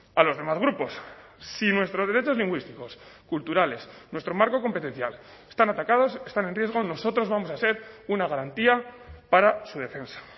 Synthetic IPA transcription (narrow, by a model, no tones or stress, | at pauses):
alo̞zðe̞mazɣɾupo̞ssinwe̞st̪ɾoðe̞ɾe̞t͡ʃo̞zliŋɡwist̪iko̞skult̪uɾale̞snwe̞st̪ɾo̞maɾko̞ko̞mpe̞t̪e̞n̟θjal | e̥st̪anat̪akað̞o̞se̞st̪ane̞nrje̞zɣ̞o̞no̞so̞t̪ɾo̞zβamo̞sase̞ɾunaɣaɾant̪iapaɾasuð̞e̞fe̞nsḁ